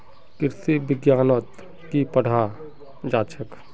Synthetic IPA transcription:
kɪɾsibɪɡjaːnət̪ | kipəɽ̤a | d͡ʒaːt͡ʃʰək

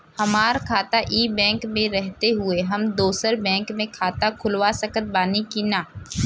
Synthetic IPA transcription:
hɐmaːɾkʰaːt̪aʔiːbɛ̃ːŋkmẽɾɛɦt̪eɦʊeɦɐmd̪oːsəɾbɛ̃ːŋkmẽkʰaːt̪akʰʊlwasɐkət̪̚baːnikinaː

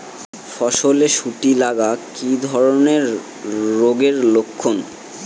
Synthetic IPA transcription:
fɔʃoleʃuʈilaɡakid̪ʱɔɾoneɾː | oɡeɾlokʰːon

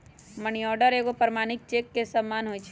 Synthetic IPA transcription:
məniɔɾɖəɾekopəɾmaːnɪk̚t͡ʃekːesəmːaːnɦoːjt͡ʃʰ

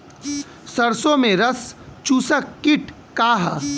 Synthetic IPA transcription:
sɐɾsõmẽɾɐst͡ʃuːsəkːɪʈʰ | kaːɦ

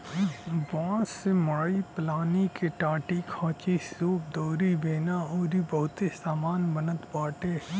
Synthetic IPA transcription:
ʋɐɦãsemɐɽaːiplaːnikeʈaːʈikʰãːt͡ʃisoːp̚d̪oːɾibeːnaɔːɾibɐɦʊt̪esaːmaːnbənət̪baːʈe

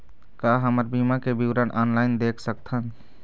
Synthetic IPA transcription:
kaɦəməɾbimakebiwɾənʔɔnlaɪnd̪ekʰsək̚t̪ʰən

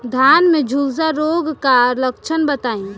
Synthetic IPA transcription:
d̪ʱjanmed͡ʒʱuzaɾoɡkaləkt͡ʃʰənbət̪aĩ

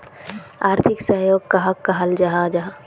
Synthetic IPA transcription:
aːɾt̪ʰɪksəɦjoːɡkaɦɐɡ̚kːaɦɐld͡ʒaɦad͡ʒaɦa

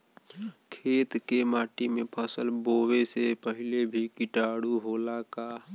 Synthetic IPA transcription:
kʰeːt̪kemaːʈimẽpʰəsəlboːwesepəɦɪlebʱikɪʈaːɽuɦolaka

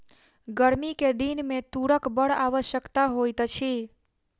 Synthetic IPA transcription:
ɡəɾmiked̪inmẽt̪uɽəkbəɽaʋəʃjəkt̪aɦojt̪t͡ʃʰi

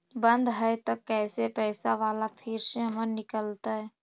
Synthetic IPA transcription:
bə̃nd̪ɦɛjt̪okɛːsepɛːɪsaʋaːlapʰɪɾseəmənnɪkəlt̪aɦɛː

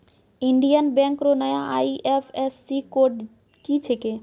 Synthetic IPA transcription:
iɳɖijənbɛ̃ŋkɾonəjãʔaiʔepʰesːikoɾɖ | kit͡ʃʰeke

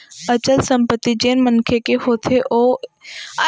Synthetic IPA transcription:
ət͡ʃəlsə̃mpət̪ːid͡ʒeːnmənkʰekeɦoːt̪ʰeʔoː | a

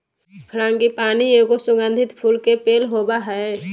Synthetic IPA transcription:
pʰɾãːŋɡipaːnieɡosʊɡə̃nd̪ʱɪt̪pʰuːlkepeːlɦobaɦɛ

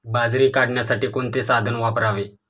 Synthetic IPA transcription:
bad͡zɾiːkaɽɳjasaʈiːkoɳt̪esad̪ʱənʋapɾaʋe

